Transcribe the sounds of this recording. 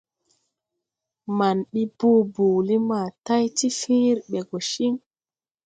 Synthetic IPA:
ma˨nɓi˦boː˦boː˨li˦maː˨ta˦jti˦fĩː˦ɾɓɛ˨ɡɔ˨ʃi˦ŋ

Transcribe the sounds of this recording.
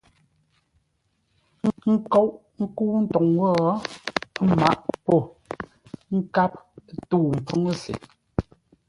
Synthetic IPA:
ŋ̩˦kɔ˦ʔ | ŋ̩˦ku˦n̩˦tɔ˨ŋwɔ˦˨˦ | ma̰˦ʔpɔ˦˨ | ŋ̩˦ka˦p̚tuː˦˨m̩˨pʰu˦ŋə˦sḛ˨

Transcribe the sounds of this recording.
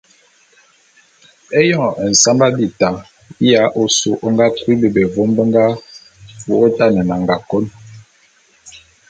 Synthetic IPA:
ɛ˦jɔ˦˨ʔɛ˨n̩˨sa˦mba˦bi˦˨ta˨ | i˦ja˨˦ʔo˨su˨ʔo˦ŋɡa˦kwi˦bi˨bɛ˨vo˦mbə˦ŋɡa˦ | fu˨o˦ta˦˨nɛ˨na˨ŋɡa˨ko˦n

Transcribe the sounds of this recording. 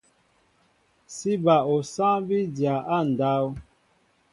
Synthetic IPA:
si˦ba˨o˨sã˦bi˦dja˨ʔa˦˨n̩˨da˦o˦

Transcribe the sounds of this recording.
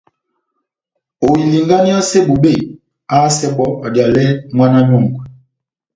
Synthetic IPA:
o˨wi˨li˨ŋɡa˦ni˦ɔ˦se˦bu˨be˦˨ | a˦sɛ˦ɓɔ˦a˨dja˨lɛ˦ŋwa˦na˦ɲo˦˨ŋɡwɛ˨

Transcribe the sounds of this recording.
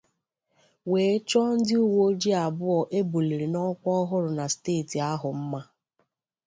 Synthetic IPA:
weː˨˦t͡ʃɔ˦n̩˦dɪ˦u˦wo˦d͡ʒi˦a˨bʊ˦ɔ˨ʔe˦bo˨le˨ɾe˨nɔ˦kʷɔ˦ɦʊ˦ɾʊ˨na˨steː˦˨ti˨a˦ɦʊ˨m̩˦ma˦

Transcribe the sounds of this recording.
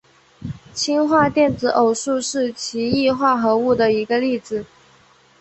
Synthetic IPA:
t͡ɕʰi˥nxwa˥˧t̪jɛ˥˩nt͡sɹ̩˧˥ʔo˨˩ʊʂu˥˧ʂɻ̩˥˩t͡ɕʰi˧˥i˥˧xwa˥˩xɤ˧˥u˥˩d̪ə˩i˧˥ɡə˧li˥˩d͡zɹ̩˨˩

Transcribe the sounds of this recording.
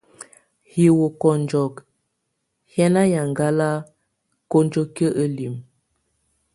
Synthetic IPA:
hi˨wo˨kɔ˨nd͡ʒɔ˨k | hjɛ˦na˦ja˨ŋ˨ɡa˦la˦ | ko˦nd͡ʒo˦kə˦ʔə˦li˨m

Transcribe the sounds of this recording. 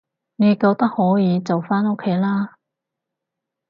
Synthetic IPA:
ŋe˨˧jkoː˧w̚t̪ɐ˥k̚hɔː˨˥jiː˨˧t͡sɐ˨wfaː˥no˥kʰːe˨˥jlaː˥

